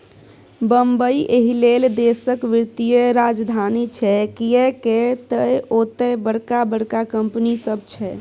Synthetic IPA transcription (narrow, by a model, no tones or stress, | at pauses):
bəmbəiʔeɦileld̪esəkʋiɾt̪ijəɾad͡ʒd̪ʱanit͡ʃʰɛkiɛket̪əjot̪ɛbəɽkabəɽkakəmpnisəb̚t͡ʃʰɛ